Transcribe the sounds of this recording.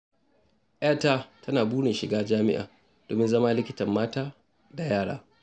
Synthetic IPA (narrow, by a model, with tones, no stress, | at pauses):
ʔa˦˨taː˦tʰɐ˦naː˨buː˦ne˨ʃɪ˨ɡaː˦d͡ʒaː˦mɪ̰˦ʔa̰ː˨ | d̥o̰ː˨mɪ˦nzɐ˦ma˦lɪ˦kʲɪ˦tɐ˨mːaː˦taː˦ | da˨jaː˦˨ɽa̰ː˦